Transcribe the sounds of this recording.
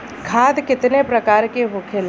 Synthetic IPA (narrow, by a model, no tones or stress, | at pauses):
kʰaːd̪kɪt̪nepɾɐkaːɾkeɦʊkʰel